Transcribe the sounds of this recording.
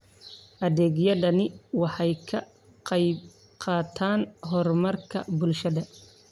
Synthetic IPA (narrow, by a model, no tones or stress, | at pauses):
ʔɐðɛːɡjɐðɐnɪwɑħɑjkʰɐ | qɑjb | qɑːt̪ʰaːnɦɔrmɐrkʰɐbʊlʃɐðɐ